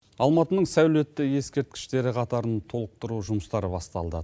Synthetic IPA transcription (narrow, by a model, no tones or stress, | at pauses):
ɑlˠmɑt̪ənəɴsæwle̞t̪ːɪje̞skʲe̞ɾt̪̚kʲɪ̥ʃt̪e̞ɾɪqʰɑt̪ɑɾənt̪ʰo̞lˠəq̚t̪əɾuʒʊməst̪ɑɾəbɑst̪ɑ̰lˠd̪ə̰